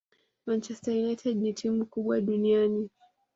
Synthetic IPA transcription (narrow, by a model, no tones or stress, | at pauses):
mant͡ʃɛstainaitʰaʄnitʰimukuɓwaɗuniani